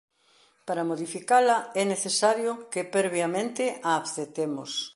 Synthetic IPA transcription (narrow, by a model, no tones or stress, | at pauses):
paɾamoðifikalɐɛneθesaɾjokepɛɾβjamẽnt̪ɪʔaːβθet̪emʊ̰s